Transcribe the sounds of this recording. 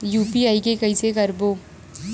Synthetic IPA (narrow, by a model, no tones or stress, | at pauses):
juːpiaːikekɐĩsekɐɾboː